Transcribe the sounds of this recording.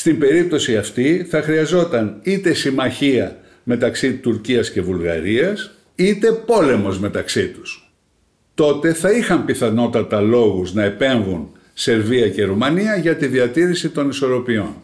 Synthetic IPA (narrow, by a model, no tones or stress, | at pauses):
st̪imbe̞ɾip̚t̪o̞siɐft̪iθɐxɾiɐzo̞t̪ɐnit̪e̞simɐçiɐ | me̞t̪ɐksit̪uɾciɐsce̞vulɣɐ̰ɾiɐs | it̪e̞po̞le̞mo̞zme̞t̪ɐksit̪u̥s | t̪o̞t̪e̞θɐixɐmpiθɐno̞t̪ɐt̪ɐlo̞ɣuznɐe̞pe̞ɱvun | se̞ɾviɐce̞ɾumɐniɐʝɐt̪iðiɐt̪iɾisit̪o̞niso̞ɾo̞pio̞n